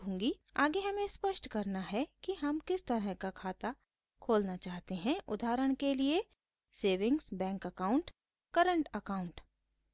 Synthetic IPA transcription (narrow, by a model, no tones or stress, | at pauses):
õːŋɡiaːɡeɦɐmẽspəʃʈkɐɾnaɦɛkiɦɐmkɪst̪ɐɾəɦkakʰaːt̪a | kʰoːlnat͡ʃaːɦt̪eɦɛ̃ʔʊ̰d̪ʱaːɾəɽ̃kelie | seːʋɪ̃ŋɡsbɛ̃ːŋkɐkaːʊ̃ɳʈ | kɐɾə̃ɳʈɐkaːʊ̃ɳʈ